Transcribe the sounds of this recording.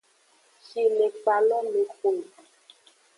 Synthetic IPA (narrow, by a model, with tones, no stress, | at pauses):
si˨le˨k͡pa˨lɔ˦le˨xo˨